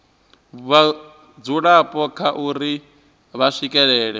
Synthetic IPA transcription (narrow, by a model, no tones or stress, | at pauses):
βa | d͡zuɺapʼɔkʰaʔuɾi | βaʂikʼɛɺɛːɺɛ